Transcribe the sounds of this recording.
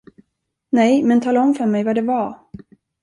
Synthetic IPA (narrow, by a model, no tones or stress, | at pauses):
nɛjmɛnt̪ʰɑːlaɔmfœɾmɛjvaɖɛvaɾ